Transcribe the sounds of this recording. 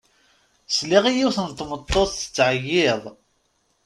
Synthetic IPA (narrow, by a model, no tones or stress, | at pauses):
sliʁijiwθənt̪ːmət̪ˤːoθθə̥t͡sːʕəjːɪðˤ